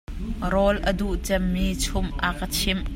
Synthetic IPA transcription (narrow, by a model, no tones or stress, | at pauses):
ɾɔlʔəd̪uʔt͡sɛmːiːt͡sʰʊmʔakət͡sʰɪm